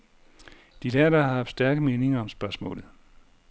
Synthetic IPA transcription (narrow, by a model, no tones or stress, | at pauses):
d̥id̥æɐd̥ɑɑɑfsd̥æɐɡ̥əme̝ːne̝ŋɐɒ̽msb̥ɶɐsmɔ̰̽ːlð̩ˠ